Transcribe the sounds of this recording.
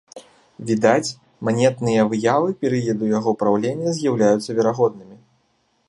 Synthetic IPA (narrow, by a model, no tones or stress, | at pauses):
vʲid̪at͡sʲ | manʲɛt̪nɨjɐvɨjavɨpʲɛɾɨjɐd̪ujaɣɔpɾawlʲenʲːɐzʲjawlʲajut̪sːɐvʲɛɾaɣɔd̪̚nɨmʲi